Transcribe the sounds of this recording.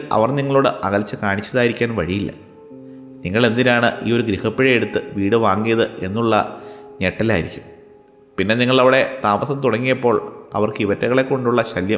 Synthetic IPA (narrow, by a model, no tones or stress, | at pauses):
ɐ̰ʋɐrniŋːɐɭo̞ːɽɨʔɐɣɐlt͡ɕːɨkaːɳit͡ɕːɐðaːjiɾikʲːaːnʋɐɻijilːɐ̰ | niŋːɐɭe̞nd̪inaːɳɨʔiːo̞ɾuɡɾihɐpːiɻɐjeɽut̪ːɨʋiːɽɨʋaːŋːijɐðɨʔe̞nːuɭːɐ̰ɲe̞ʈːɐlaːjiɾikʲːum | pinːe̞niŋːɐɭɐʋiɽe̞t̪aːmɐsɐmt̪uɽɐŋːijɐpːo̞ːɭɐ̰ʋɐrkɨiʋɐtːɐɣɐɭe̞kːo̞ɳɖuɭːɐɕɐljɐ